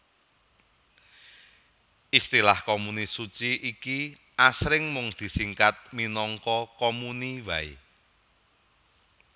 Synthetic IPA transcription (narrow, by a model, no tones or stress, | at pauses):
ist̪ilahkomunisut͡ʃiʔiki | ʔasɾɪŋmʊŋd̪̥i̤siŋkat̪̚minɔŋkɔkomuniwaḭ